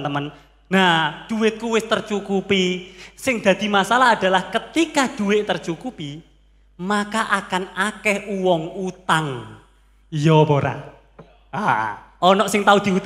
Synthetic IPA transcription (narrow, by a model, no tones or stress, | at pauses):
nt̪əmən | nahd̪̥uwɪt̪̚kuwɪst̪ərt͡ʃukupisɪŋd̪̥ä̤d̪̥i̤masalaɦad̪̥a̤lahkət̪ikad̪̥ṳwɪʔt̪ərt͡ʃukupi | makaʔakanakɛhuwɔŋut̪aŋ | jɔboɾa̰ | aɔnɔʔsɪŋt̪aud̪̥i̤u